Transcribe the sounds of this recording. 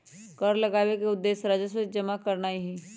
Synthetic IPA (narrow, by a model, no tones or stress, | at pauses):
kəɾləɡaːwekeʊd̪ːeːsɾaːd͡ʒəs̬ed͡ʒəmakəɾnaːiɦi